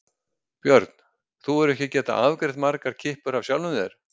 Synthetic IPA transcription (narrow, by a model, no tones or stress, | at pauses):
pjœɾt̪n̥ | θuɛɾɛhcɪcɛːt̪a̰ʔavkɾɪht̪maɾkaɾ̥cʰɪhpʏɾavsjaːwlnʏmðɛɾ